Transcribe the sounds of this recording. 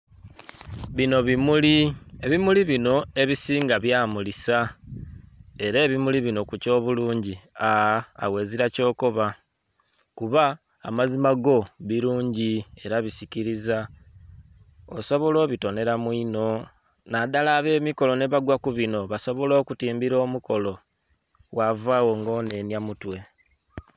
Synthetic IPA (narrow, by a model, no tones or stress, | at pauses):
βino̞βimulieβimuliβino̞e̞βisiːŋɡaβjaːmulisa | e̞ɾe̞ːβimuliβino̞kuco̞ːβuluːɲɟiaa̰we̞ːziɾaco̞ːko̞βa | kuβa̰ː | mazimaɡo̞βiɾuːɲɟie̞ɾaβisiciɾiza | o̰so̞βo̞lo̞ːβito̞ne̞ɾamwino̞ | nadalaːβe̞ːmiko̞lo̞ne̞βaɡwakuβino̞βaso̞βo̞lo̞ːkutiːmbiɾo̞ːmuko̞lo̞ | wavawo̞ŋɡo̞ːne̞njamutwe̞